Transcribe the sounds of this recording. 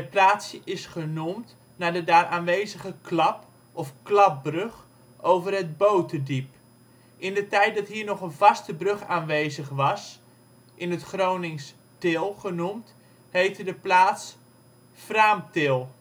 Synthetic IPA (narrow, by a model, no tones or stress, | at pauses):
əplaːtsəʔɪsχənumt | nadədaːrʔaːnʋejzəχəklɑp | ʔɔfklɑp̚brøχ | ʔowvərɦəd̚bowtədip | ɪndətɛjt̚dɑtɦiːɹnɔχənvɑstəbrɵχaːnʋejzəχʋɑs | ʔɪnətχrownɪŋs | tɪlˠχənumt | hejtədəplaːts | fraːmtɪlˠ